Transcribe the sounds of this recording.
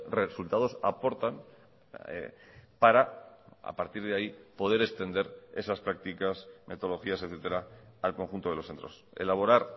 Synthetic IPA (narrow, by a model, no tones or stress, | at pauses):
result̪að̞o̞sa̰po̞ɾt̪an̰ | paɾaa̰paɾt̪iɾðeaipo̞ð̞e̞ɾe̞kst̪e̞nd̪e̞ɾe̞saspɾak̚t̪ikasmʔe̞̰t̪o̞lo̞xiaseθet̪e̞ɾaalko̞ŋxunt̪o̞ðlo̞sθe̞nt̪ɾo̞se̞̰laβo̞ɾaɾ